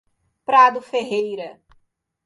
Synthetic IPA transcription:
pɾad̪ʊfeɦejɾɐ

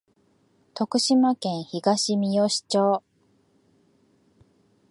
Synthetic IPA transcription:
t̪o̞kɯ̟ɕimakẽ̞ɰ̃çiɡaɕimʲijoɕi̥t͡ɕoː

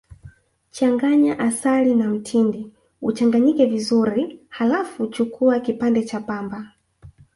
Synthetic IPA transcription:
t͡ʃaŋɡaɲaʔasalinam̩tʰindi | ut͡ʃaŋɡaɲikɛvizuɾihalafut͡ʃukʰuakipandɛt͡ʃapamba

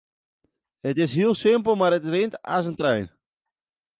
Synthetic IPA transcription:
hətɪsɦiəlˠsɪmp̬əl̩ˠmaɾətrɪnta̰s̬əntrɛjn

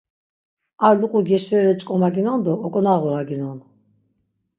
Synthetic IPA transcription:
aɾluqʼuɡɛʃɾɛɾɛt͡ʃʼkʼɔmaɡinɔnd̪ɔːkʼɔnaʁɔɾaɡinɔn

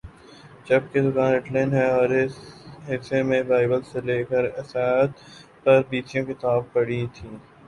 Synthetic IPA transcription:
d͡ʒɐb̚ked̪ʊkaːnɪʈlenɦɛɔːɾɪsɦɪsemẽbaːɪbəlseleːkəɾɪsaːət̪ | pɐɾbiːt͡ʃijõkɪt̪aːb̚pɐɽ̤it̪ʰĩː

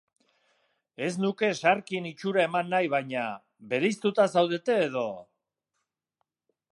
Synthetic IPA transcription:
e̞snuke̞ʃaɾkinit͡ʃuɾae̞manːajβajɲa | βe̞ɾejst̪ut̪asawðe̞t̪e̞ːð̞o̞

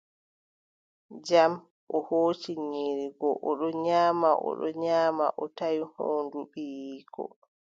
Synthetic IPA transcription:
d͡ʒam | ʔɔhoːt͡ʃiɲiɾiɡɔʔɔɗɔɲaːmaʔɔ̰ɗɔɲaːma̰ʔɔtajhoːnduɓijiːkʰɔ̰

